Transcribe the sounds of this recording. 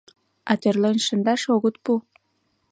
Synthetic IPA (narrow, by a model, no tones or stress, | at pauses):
ɑt̪erlenʃə̆nd̪ɑʃoɣət̪pu